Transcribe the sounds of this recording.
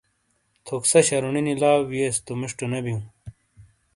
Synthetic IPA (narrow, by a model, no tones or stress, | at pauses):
t̪ʰoksɐɕɐɾuninilaːwjeːst̪umiʂʈunebijũ